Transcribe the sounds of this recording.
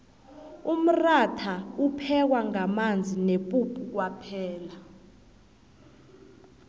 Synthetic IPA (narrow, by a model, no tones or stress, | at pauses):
um̩ratʰaupʰɛk̬waŋamand͡zʱinepʼupʰʼuk̬wapʰɛːla